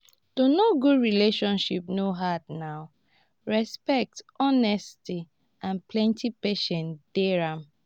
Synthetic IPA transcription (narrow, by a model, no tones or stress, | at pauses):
tonoɡudɹileʃɔ̃nʃip̚noɦadnaʊ | ɹɛspɛk̚tɔnɛsti | ãnplɛ̃ntipeʃɛ̃nd̥eɹãm